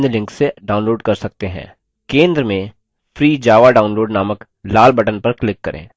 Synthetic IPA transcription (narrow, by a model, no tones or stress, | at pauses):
d̪lɪ̃ŋkseɖaːʊnloːɖkɐɾsɐk̚t̪eɦɛ̰̃ː | kẽːnd̪ɾəmẽ | fʰɾiːd͡ʒaːʋaɖaːʊnloːɖnaːmək | laːlbɐʈənpɐɾklɪkːɐɾʔḛ̃ː